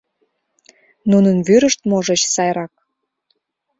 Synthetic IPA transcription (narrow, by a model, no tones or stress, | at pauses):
nunənβyɾəʃt̪moʒət͡ɕsɑjɾɑk̚